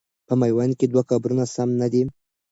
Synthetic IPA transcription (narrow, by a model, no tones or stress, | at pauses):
pəmajwanked̪wakɑbɾunasamnad̪i